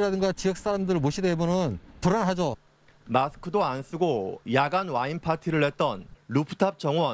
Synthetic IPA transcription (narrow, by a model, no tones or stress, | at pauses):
ɾadɯŋɡat͡ɕijʌk̚s͈aɾamdɯɾɯɭmoɕʰidebonɯntoɾanɦad͡ʑo | masʰɯ̥kʰɯdoans͈ʰɯɡojaɡanwainpʰatʰiɾɯɭhe̞t̚t͈ʌnɾupʰɯ̥tʰap̚t͡ɕ͈ʌŋwʌ